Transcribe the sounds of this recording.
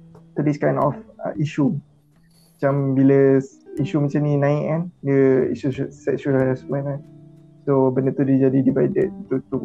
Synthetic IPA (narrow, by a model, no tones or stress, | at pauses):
t̪udiskãj̃nɔ̰fə̰ʔiʃu | mat͡ʃambilə | iʃumat͡ʃamnĩnãiʔanɡəḭʃusɛʔʃuaasmə̃nan | sobənət̪udid͡ʒadidibajdɛt̚t̪ut̪u